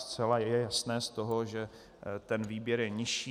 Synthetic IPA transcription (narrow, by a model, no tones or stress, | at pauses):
st͡sɛlajjɛjasnɛːst̪o̞ɦo̞ʒɛ | t̪ɛnviːbjɛɾjɛɲɪʃiː